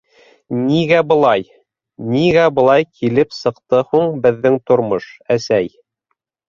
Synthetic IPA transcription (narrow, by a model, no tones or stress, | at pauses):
niɡæbɤ̆lˠɑj | niɡæbɤ̆lˠɑjkʰilɘpsɤ̆qt̪ɤhuɴbɘ̆ðːɘŋt̪ŏɾmoʃæsæj